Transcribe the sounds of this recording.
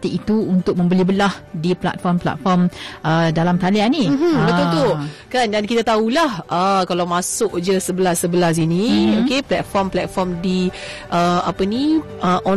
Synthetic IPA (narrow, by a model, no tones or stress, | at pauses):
t̪iit̪uunt̪ʊk̚mə̃mbəlibəlahdipla̰t̪̚fɔmpla̰t̪̚fɔmʔədalamk̪alianibəult̪okandankit̪at̪aulahəkalawmãsʊkd͡ʒəsəbəlasːəbəlas̬inĩokeplɛt̪̚fɔmplɛt̪̚fɔrmdi | ʔəapənĩ | ʔəʔɔ